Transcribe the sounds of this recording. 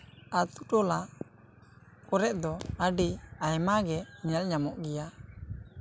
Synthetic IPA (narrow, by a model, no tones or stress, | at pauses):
at̪uʈɔla | kɔɾɛʔ̪̚d̪ɔaɖiajmaɡɛiɲalɲamɔʔɡɛja